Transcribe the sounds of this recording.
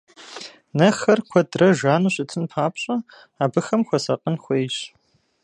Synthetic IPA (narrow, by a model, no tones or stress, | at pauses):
nɐxɐrkʷʰɔdrɐʒaːnuːɕʼɪtʰɨnpʰaːpɕʼɐ | aːbɨxɐmxʷɔsɐqʼənxʷeːjɕ